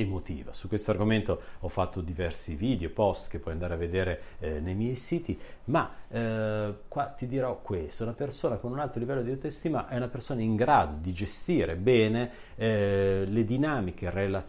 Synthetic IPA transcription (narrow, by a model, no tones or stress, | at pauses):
emot̪ḭːva̰sukːwest̪oarɡoment̪oɔfːat̪ʰːod̪ivɛrsiviːd̪eopɔst̪k̟epːɔjand̪aːɾeavːed̪eːɾenejmjɛjsiːt̪ima | kːwat̪ːid̪iɾɔkːwest̪ounapersoːnakonunalt̪ɾolivɛlːod̪iawt̪est̪iːmaʔɛunapersoːnaiŋɡɾaːd̪od̪id͡ʒest̪iːɾebɛːne | ɛled̪inaːmik̟erela